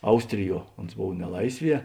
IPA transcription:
ˈɐʊsʲtʲrʲɪˌjuɔ oːns ˈboːw nʲɛˈlˠɐɪsʲˌʋʲiɛ

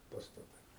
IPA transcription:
pɐstɐˈtɐɪ

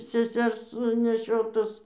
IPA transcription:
sʲɛˈsʲɛrs nʲɛˈʃʲoːtʊs

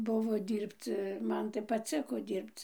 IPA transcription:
ˈbʊʋoː ˈdʲiːrpt͡s ˈmɐn tɐɪ pɐˈt͡sʲɪkoː ˈdʲiːrpt͡s

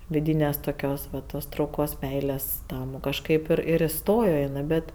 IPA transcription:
ʋʲɪˈdʲiːnʲeːs toːˈkʲoːs ʋɐ ˈtoːs trɐʊˈkoːs ˈmʲɛɪlʲeːs ˈtɐm kɐʃˈkɐɪp ˈɪr ɪr ɪˈstoːjoː ɪˈnɜ ˈbʲɛt

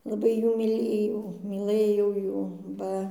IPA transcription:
lˠɐˈbɐɪ ˈjuː mʲiːˈlʲeːjɛʊ mʲiːˈlˠɘjɛʊ ˈjuː ˈbɐ

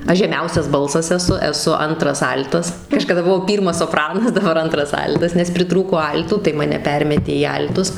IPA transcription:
ˈɐʃ ʒʲɛˈmʲɛʊsʲɛs ˈbɐlˠsɐs ɛˈsʊ ɛˈsʊ ˈɐntrɐs ˈɐlʲtɐs kɐʃkɐˈdɐ bʊˈʋɐʊ ˈpʲiːrmɐs soːˈprɑːnɐs dɐˈbɐr ˈɐntrɐs ˈɐlʲtɐs nʲɛs pʲrʲɪˈtruːkoː ˈɐlʲtuː tɐɪ mɐˈnʲɛ ˈpʲɛrʲmʲɛtʲeː iː ˈɐlʲtʊs

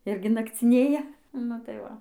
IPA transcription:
ˈɪrʲɡʲɪ nɐkt͡sʲɪˈnʲeːjɛ ˈnʊ tɐɪ ˈʋɐ

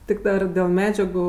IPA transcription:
ˈtʲɪk dɐr dʲeːlˠ ˈmʲæːd͡ʒʲɛɡʊ

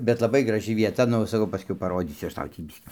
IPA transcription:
bʲɛt lˠɐˈbɐɪ ɡrɐˈʒʲɪ ʋʲiɛˈtɐ ˈnʊ sɐˈkɐʊ pɐˈroːdʲiːsʲʊ ˈɐʃ ˈtɐʊ tʲiː ˈbʲɪsʲkʲiː

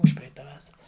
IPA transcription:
ˈʊʃʲpʲrʲɛɪtɐ ˈʋɑːsɐrɐ

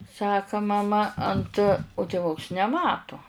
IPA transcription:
ˈsɑːkɐ mɐˈmɐ ɐnt ʊ tʲeːˈʋʊks nʲɛˈmɑːtoː

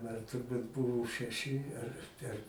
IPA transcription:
ˈmɐn tʊrˈbuːt ˈbʊʋoː ʃʲɛˈʃʲɪ ɐr ˈtʲɛn

